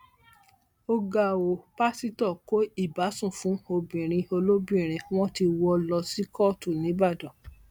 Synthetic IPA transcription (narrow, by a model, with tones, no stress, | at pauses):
o˧ɡa˨wo˨pa˦si˦tɔ˦˨ko˦i˦˨ba˨˦sũ˦˨fũ˨˦o˧bĩ˨ɾ̃ĩ˧o˧lo˦bĩ˦˨ɾ̃ĩ˧w̃ɔ̃˦ti˧wɔ˧lɔ˧si˦kɔ˦˨tu˦˨nĩ˨˦ba˦˨dɔ̃˨